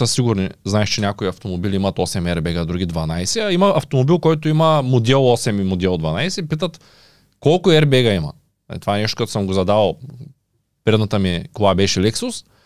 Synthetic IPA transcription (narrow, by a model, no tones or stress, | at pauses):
əsiɡʊɾniznaɛʃt͡ʃɛnʲakoiɐft̪omobilʲiimɐt̪ɔsɛmɛɾbɛɡəd̪ɾuɡʲid̪vɐnajsɛɐimɐɐft̪omobilˠkɔjt̪oimɐmod̪ʲɛlˠɔsɛmimod̪ɛlˠd̪vɐnajsɛipit̪ət̪ | kɔlˠkʊɛɾbɛɡɐimɐ̰ | a̰ḭt̪ovaɛnɛʃt̪o̥kɐt̪osəmɡozɐd̪avɐlˠ | pɾɛd̪nɐt̪əmikovˠabɛʃɛlɛksʊs